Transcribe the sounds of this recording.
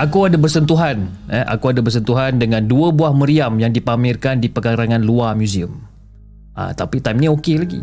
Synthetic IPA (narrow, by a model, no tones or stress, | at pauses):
ʔakuadabərsənt̪uɦanəʔa̰kuadabərs̬ənt̪uɦandəŋãnduəbuahməɾiamjaŋdipamɪrkandipəkaɾaŋãnluamjuziəm | ʔə̰t̪apit̪ajmniokelaɡḭ